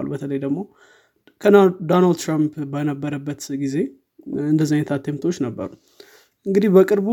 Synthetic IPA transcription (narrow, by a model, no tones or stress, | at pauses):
alṵbət̪ʰələjd̪əɡmo̞ | kʰəd̪onald̪t̪ʰɾampbənəbːəɾəbːət̪ɡize̞ | ɨnd̪əzːajɲt̪ʰat̪ʰːemt̪ʰo̞t͡ʃːnəbːə̰ɾu | ʔɨŋɡɨd̪ihbəkʼɨɾbu